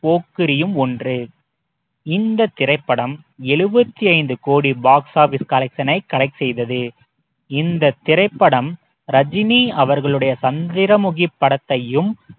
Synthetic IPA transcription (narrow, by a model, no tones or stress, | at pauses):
poːkːɯɾɪjɯmɔndrɯ | ɪnd̪ɐt̪ːɪɾɐɪpːɐɽɐm | ɛɭɯbɐt̪ːiɐɪnd̪ɯkoːɽibaːksaːfɪskɐlɐksɐnɐɪkːɐɽɐɪksɛjðɐðɯ | ɪnd̪ɐt̪ːɪɾɐɪpːɐɽɐm | ɾɐd͡ʒɪniːɐʋɐɾɣɐɭɯɽɐjɐsɐnd̪ɪɾɐmʊɣɪpːɐɽɐt̪ːɐjɯm